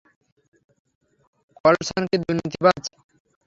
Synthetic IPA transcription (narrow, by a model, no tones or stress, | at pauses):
kɔlesanked̪uɾnit̪ibad͡ʑ